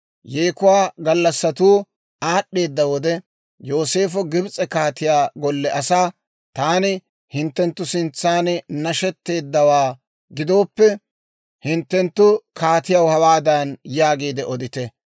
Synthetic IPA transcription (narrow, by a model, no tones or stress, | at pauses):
jeːkʊwaːɡɐlːɐsːɐt̪uː | aːɗːe̞ːd̪ːɐwɔd̪ɛ | jo̞ːse̞ːfɔɡɪbt͡sʼɛkaːt̪ɪjaːɡɔlːɛʔɐsaː | t̪aːnɪ | hɪnt̪ːɛnt̪ːʊsɪnt͡sːaːnnɐʃɛt̪ːe̞ːd̪ːɐwaː | ɡɪd̪o̞ːpːɛ | hɪnt̪ːɛnt̪ːʊkʰaːt̪ɪjɐwhɐwaːd̪ɐnjaːɡeːd̪ɛʔɔd̪ɪt̪ɛ